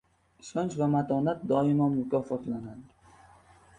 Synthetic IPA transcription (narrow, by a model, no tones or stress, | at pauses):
ɪʃɒnt͡ʃvamat̪ʰɒnat̪̚d̪ɒɪmamʊkʰʲɒfɒt̪lanad̪ɪ